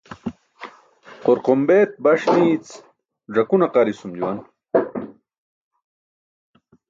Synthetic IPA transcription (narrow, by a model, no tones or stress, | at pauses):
qoɾqombeːt̪̚bɐʂniːt͡s | ʐɐkunɐqɐɾisumd͡ʑuwɐn